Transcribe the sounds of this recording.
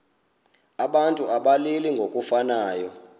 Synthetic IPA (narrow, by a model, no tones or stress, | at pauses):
aɓantʼuaɓaliliŋɡʱokʼufanaːjɔ